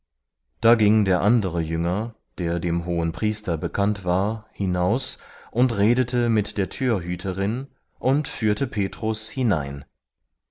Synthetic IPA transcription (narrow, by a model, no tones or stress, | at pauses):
d̥aːɡɪŋdeːɐʔandəʁəjʏŋɐ | d̥eːɐdeːmɦoːənpʁ̥iːstɐbəkʰantv̥aːɐhɪnaʊsʔʊntʁeːdətʰəmɪtd̥eːɐtʰyːɐɦyːtʰəʁɪn | ʔʊntfyːɐtəpʰeːtʁ̥ʊshɪna̰ɪn